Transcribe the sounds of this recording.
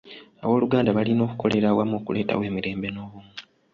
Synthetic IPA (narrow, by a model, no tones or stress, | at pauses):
aβo̞ːluɡaːndaβalinoːkuko̞leɾawamoːkuleːta̰we̞ːmiɾe̞ːmbe̞no̞ːβumi